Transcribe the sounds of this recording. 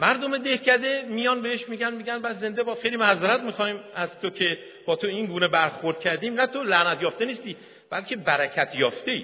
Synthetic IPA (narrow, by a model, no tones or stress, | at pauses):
mæɾd̪o̞me̞d̪e̞hcæd̪e̞mijɒːnbe̞heʃmiːɟænmiːɟænbæd̪ze̞nd̪ebɒːd̪xe̞jliːmæzeɾæt̪̚mixɒːhiːmæzt̪ʰocʰe̞ | b̥ɒːt̪ʰo̞inɡuːnebæɾxo̞ɾd̪̚cʲʰæɾd̪iːmnæt̪ʰolænæt̪ʰjɒːft̪e̞niːst̪iː | b̥ælcʰe̞bæɾæcʰæt̪ʰjɒːft̪e̞i